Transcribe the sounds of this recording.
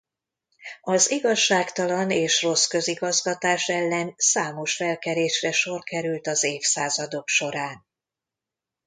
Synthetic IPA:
ɒziɡɒʃːaːkt̪ɒlɒneːʃro̞skø̞ziɡɒzɡɒt̪aːʃɛlːɛnsaːmo̞ʃfɛlkɛɾeːʃrɛʃo̞rkɛɾylt̪ɒzeːfsaːzɒd̪o̞kʃo̞ɾaːn

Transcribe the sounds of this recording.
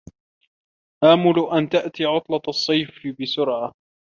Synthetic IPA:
ʔaːmʊlʔant̪aʔt̪iːʕʊt̪ˤlɑɑsˤːɑjfɪbɪsʊɾʕa

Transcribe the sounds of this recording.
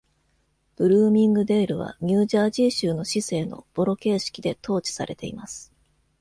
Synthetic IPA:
b̥ɯ̟ɾɯːmʲĩŋɡɯ̟d̪e̞ːɾɯ̟β̞a̰ɲ̟ʲɨːʑaːʑiːɕɨːno̞ɕise̞ːno̞̰b̥o̞ɾo̞ke̞ːɕi̥kʲid̪e̞t̪ʰo̞ːt͡ɕi̥sa̰ɾʔe̞t̪e̞̰imasɨ̥

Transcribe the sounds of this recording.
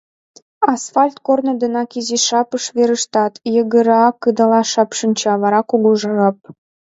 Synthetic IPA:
ɑsfɑlʲt̪kornə̆d̪ə̆nɑkiziʃɑpəʃβeɾəʃt̪ɑt̪jə̆ɣəɾɑkːɯd̪ɑlɑʃɑpʃə̆nʲt͡ɕɑβɑɾɑkuɣuʒɤrɑp̚

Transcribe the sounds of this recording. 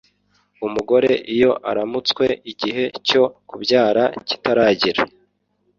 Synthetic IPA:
umuɡo̞ɾe̞ʔijo̞ʔa̰ɾamut͡swe̞iɟiɦe̞co̞kubɟaːɾaci̥taɾaːɟiɾa

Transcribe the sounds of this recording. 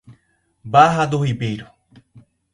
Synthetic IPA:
baɦad̪oɦibejɾo

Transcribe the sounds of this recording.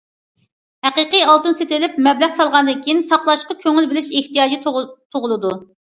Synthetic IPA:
hæqəqɨjɑlˠt̪ɨnset̪ɪlɪpmɛblæχsɑlˠʁɑnd̪ɨŋkʲʰijinsɑqlˠɑʃqɑkʲʰøŋɪlbɪlɪʃeht̪ijɑːd͡ʒit̪ʰoʁʊlˠɨd̪u

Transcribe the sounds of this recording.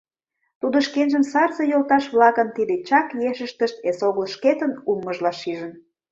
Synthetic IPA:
t̪ud̪oʃkenʒəmsɑrzəjolt̪ɑʃβlɑkənt̪id̪et͡ɕɑkjeʃəʃt̪əʃt̪esoɣəlʃket̪ənumːəʒlɑʃiʒən

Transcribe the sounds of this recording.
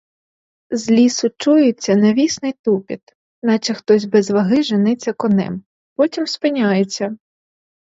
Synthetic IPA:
zlʲisʊt͡ʃujʊt͡sʲːɐnɐʋʲisnɪjt̪upʲit̪ | nɑt͡ʃɪxt̪ɔzʲbɛzʋɐɦɪʒɪnɪt͡sʲːɐkɔnɛ̰m | pɔtʲimspɪnʲajet͡sʲːɐ

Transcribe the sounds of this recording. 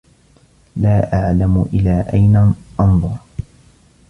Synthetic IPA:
laːʔaʕlamʊʔɪlːaːʔajnaʔɑnðˤʊɾˤ

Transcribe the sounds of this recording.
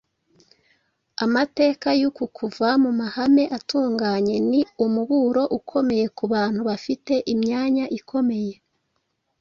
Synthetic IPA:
amate̞ːkajukukʰuvamumahame̞ʔatuːŋɡaːɲe̞niumuɡuɾo̞ʔukʰo̞me̞je̞kuβaːn̥huβafite̞ʔimɲaːɲaʔikʰo̞me̞je̞

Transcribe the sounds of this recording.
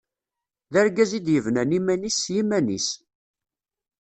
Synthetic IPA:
ðæɾɡæzid̪jəvnænimænisːjimænḭs

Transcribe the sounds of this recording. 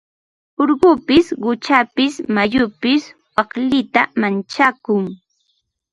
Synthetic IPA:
oɾɢʊpɪsɢʊt͡ʃapɪsmajʊpɪswɑχlɪt̪amant͡ʃakʊŋ

